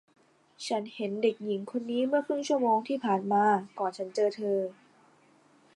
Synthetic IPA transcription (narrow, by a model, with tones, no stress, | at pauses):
t͡ɕʰa˦˥nhe˩˦nde˨˩k̚ji˩˦ŋkʰo˧nːiː˦˥mɯ˥˩ɐkʰɾɯ˥˩ŋt͡ɕʰu˥˩ɐmoː˧ŋt̪ʰiː˥˩pʰaː˨˩nmaː˧kɔː˨˩nt͡ɕʰa˦˥nt͡ɕɤː˧t̪ʰɤː˧